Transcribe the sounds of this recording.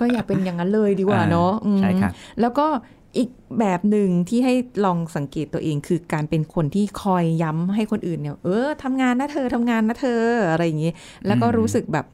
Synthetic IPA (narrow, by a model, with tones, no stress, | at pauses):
kɔː˥˩jaː˨˩k̚pe˧nja˨˩ŋːa˦˥nlɤː˧jdiː˧kwaː˨˩nɔ˦˥ʔɯː˧a˦˥˩lɛː˦˥wkɔː˥˩ | ʔiː˨˩k̚bɛː˨˩p̚nɯ˨ŋt̪ʰiː˥˩ɦa˥˩jlɔː˧ŋsa˩˦ŋke˨˩t̪ːu˧ɐəʔeː˧ŋkʰɯː˧kaː˧npe˧nkʰo˧nt̪ʰiː˥˩kʰɔː˧jːa˦˥mɦa˥˩jkʰo˧nʔɯː˨˩nːi˥˩wʔɤː˧˩t̪ʰa˧mŋaː˧nːaː˦˥˩t̪ʰɤː˧˩t̪ʰa˧mŋaː˧nːa˦˥˩t̪ʰɤː˧ʔa˧ɾa˧jːa˨˩ŋi˦˥ | lɛː˦˥wkɔː˥˩ɾuː˦˥sɯ˨˩k̚bɛː˨˩p̚